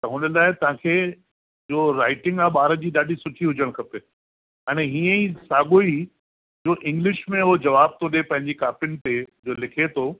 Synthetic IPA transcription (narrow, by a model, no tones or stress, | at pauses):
t̪ɐɦʊnəlaːɪt̪ɐʋ̤ãːkʰe | d͡ʑoːɾaːɪʈɪ̃ŋɡaːɓaːɾəd͡ʑiːɗaːɗisʊʈʰiɦʊd͡ʑəɽ̃kʰɐpe | ɛːñeɦiːə̃isaːɡoi | d͡ʑoːʔɪ̃ŋɡlɪʃmẽʊɦod͡ʑɐʋaːb̚t̪ʰoɗepɐ̃ɦɪ̃ɲd͡ʑikaːpɪnɪ̆t̪ed͡ʑoːlɪkʰet̪ʰoː